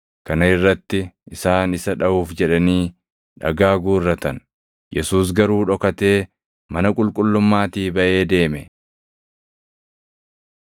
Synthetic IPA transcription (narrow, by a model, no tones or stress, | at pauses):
kɐnɐɪrːɐt̪ːɪʔɪsaːnɪsɐᶑɐuːfd͡ʒɛᶑɐniː | ᶑɐ̰ɡaːɡuːrːɐt̪ɐn | jɛsuːs̬ɡɐɾuːᶑɔkɐt̪e̞ː | mɐnɐkʼʊlkʼʊlːʊmːaːt̪iːbɐʔe̞ːd̪e̞ːmɛ